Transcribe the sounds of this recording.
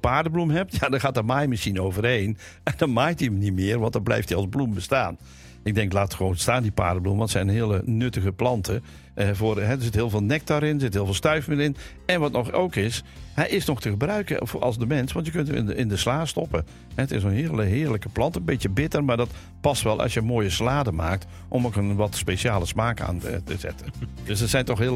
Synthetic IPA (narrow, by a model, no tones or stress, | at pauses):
paːɹdəblumɦɛp̚tjadɔxaːtəmaːjmɪsxinowvərɦeːn | ɛndɔnmaːjtiəmnimɪərʋɑntdnblɛ̰jftiɑlˠzblumbəstaːn | ɪɡ̚dɛŋklaːtxəʋoːnstaːndipa̰ːɹdəblṵməʋɔntsɛjnənɦɪələnøtəɣəplɑntʰə | voːrɦɛdəɹzɪthɪːlˠvɪːlˠnɛk̚taɾɪnərzɪthɪːlˠvːlˠstœɥfmɪːɪn | ɛnʋɔtnɔxowkɪs | hɛjʔɪsnɔxtəɣəbrœɥkə̰fʔɑ̰lˠsdəmɛnsʋɑntjəkøntɪndəslaːstɔpə | hɛətɪsənɦɪələɦɪːɹləkəplɑntənbɪtjəbɪtərmaːdɔt | pɑstʋɛlˠʔɑ̰sjəmoːjəslaːdəma̰ːk̚t | ʔɔmokənʋɔtspeːʃaːlˠəsmaːka̰ːntə̰zɛ̰tʰənd̥øsəsɛjntɔxɦɪəl